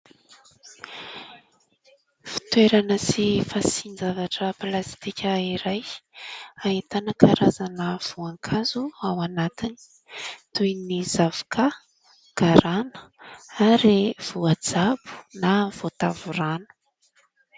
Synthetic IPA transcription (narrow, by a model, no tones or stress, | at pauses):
fi̥t̪weɾanəsifasinizavaʈ͡ʂəplast̪ikʲəiɾaj | aɦit̪anəkʰaɾazanəv̥uaŋkʰazuawanat̪ini̥ | t̪ujniz̥avu̥kʰa | ɡ̥aɾanə̥aɾiv̥uad͡zabu̥nav̥ot̪avuranu̥